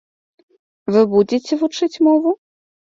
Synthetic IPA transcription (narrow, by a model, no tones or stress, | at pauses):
vɨbud͡zʲet͡sʲɛvut͡ʂɨt͡sʲmɔvu